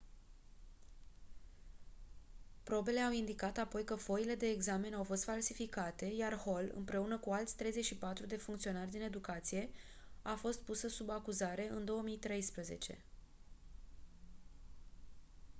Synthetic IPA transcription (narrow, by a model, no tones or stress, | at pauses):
pɾo̞be̞le̞awind̪ikat̪apo̞jkəfo̞ile̞d̪e̞ːɡzame̞nawfo̞st̪falsifikat̪e̞jarho̞lɨ̰mpɾe̞unəkualt̪sʲt̪ɾe̞jze̞t͡ʃʲʃipat̪ɾud̪e̞fuŋkt̪sio̞narʲd̪ine̞d̪ukat̪sije̞ | afo̞st̪̚pusəsubakuzaɾe̞ʔɨnd̪o̞wəmijt̪ɾe̞jspɾəze̞̰t͡ʃe̞̰